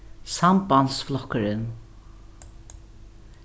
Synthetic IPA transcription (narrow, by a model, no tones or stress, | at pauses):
sampansflɔkəɾɪn